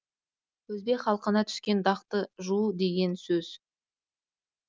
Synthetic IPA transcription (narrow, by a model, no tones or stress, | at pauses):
wɵzbe̞kχɑlˠəqənɑt̪ʰʏ̥skʲe̞nd̪ɑqt̪əʒuəd̪e̞ɡʲe̞nsɵz̥